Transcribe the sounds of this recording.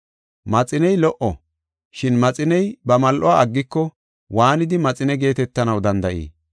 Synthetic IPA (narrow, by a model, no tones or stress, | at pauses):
mɐt͡sʼɪnɛjlɔʔɔ | ʃɪnmɐt͡sʼɪnɛjbɐmɐlʔɔaɐɡːɪkːɔ | waːnɪd̪ɪmɐt͡sʼɪnɛɡe̞ːt̪ɛt̪ːɐnɐwd̪ɐnd̪ɐʔḭː